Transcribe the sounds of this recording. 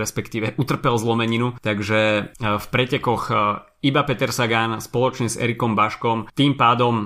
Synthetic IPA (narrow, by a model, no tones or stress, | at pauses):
ɾɛspɛkt̪iːʋɛʔut̪r̩pɛlzlɔmɛɲinut̪aɡʒɛfpɾɛcɛkɔx | ibapɛt̪ɛɾsaɡanspɔlɔt͡ʃɲɛzɛ̰ɾikɔmbaʃkɔmt̪iːmpaːd̪ɔm